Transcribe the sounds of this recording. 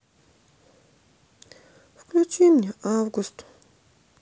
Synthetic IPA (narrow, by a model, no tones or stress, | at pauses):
fkʰlʲut͡ʃimnʲɛavɡust̪ʰʊ̥